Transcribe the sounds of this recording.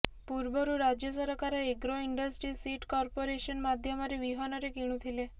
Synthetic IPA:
puɾbəɾuɾad͡ʑjəsəɾkaɾeeɡɾoiɳɖəsʈɾiːsiʈkɔɾpoɾeɕənmad̪ʱjəmaɾeʋiɦɔnaɾekiɽ̃ũt̪ʰile

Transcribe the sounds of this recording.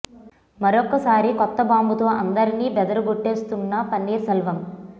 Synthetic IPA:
mɐɾɔkːɐsaːɾikɔt̪ːɐbaːmbut̪o̞ːʔɐnd̪ɐɾiniːbɛd̪ɐɾɐɡuʈːeːst̪unːɐpɐnːiːɾsɐlʋɐm

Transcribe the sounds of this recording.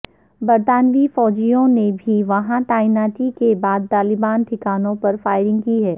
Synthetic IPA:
bɐɾt̪aːnʋifɔːd͡ʒijõnebʱiʋɐɦãt̪aːɪnaːʈikebaːd̪̚t̪aːlɪbaːnʈ̪ʰɪkaːnõpɐɾfaːɪɾɪ̃ŋɡkiɦɛː

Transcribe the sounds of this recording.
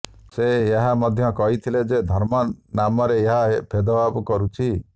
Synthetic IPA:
seeɦamɔd̪ʱjɔkɔɦit̪ʰiled͡ʒed̪ʱɔɾmɔnamɔɾeeɦaɦepʰed̪ɔbabkɔɾut͡ʃʰi

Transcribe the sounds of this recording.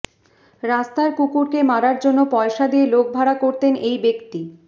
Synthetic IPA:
ɾast̪aɾkukuɾkemaɾaɾd͡ʑonːopɔeʃad̪ielok̚bʱaɾakoɾt̪enejbekt̪i

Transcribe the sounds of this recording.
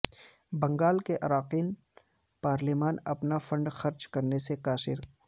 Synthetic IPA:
bɐ̃ŋɡaːlkeʔɐɾaːqiːn | paːɾlimaːnɐpnafɐ̃ɳɖxɐɾd͡ʒkɐɾnesekaːsɪ̰ɾ

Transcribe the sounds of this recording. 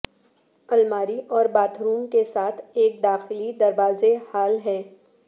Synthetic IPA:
ɐlmaːɾiʔɔːɾbaːt̪ʰɾuːmkesaːt̪ʰeːk̚d̪aːxɪlid̪ɐɾʋaːzehaːlɦɛː

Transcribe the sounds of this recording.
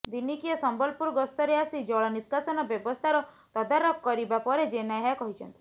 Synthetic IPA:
d̪inikiɔsɔmbɔlpuɾɡɔst̪ɔɾeasid͡ʒɔɭɔniskasɔnɔbjɔbɔst̪ʰaɾɔ | t̪ɔd̪aɾɔk̚kɔɾibapɔɾed͡ʒenaɦakɔɦit͡ʃʰɔ̰nt̪i̥

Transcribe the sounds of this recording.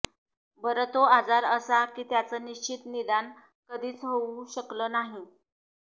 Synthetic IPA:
bəɾət̪oad͡zaɾəsakiːt̪jat͡səːniɕt͡ɕit̪nid̪an | kəd̪ʱiːt͡sɦouɕəkləːnaɦi

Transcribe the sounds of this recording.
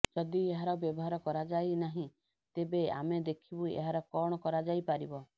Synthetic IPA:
d͡ʒɔd̪ieɦaɾɔbjɔbɔɦaɾɔkɔɾad͡ʒajnaɦĩ | t̪ebea̰med̪ekʰibuiḛɦaɾɔkɔɽ̃ɔkɔɾad͡ʒajpaɾibɔ

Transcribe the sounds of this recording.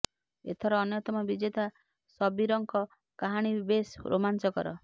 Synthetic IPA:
ḛt̪ʰɔɾɔːnjɔt̪ɔmɔbid͡ʒet̪a | sɔbiɾɔŋkɔ | kaɦaɽ̃ibesɾo̰mant͡ʃɔkɔ̰ɾɔ

